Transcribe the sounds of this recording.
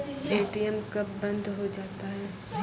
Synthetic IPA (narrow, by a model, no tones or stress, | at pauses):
eːʈiɛmkɐpːɐ̃nd̪ʱɦod͡ʒaːt̪aɦɛː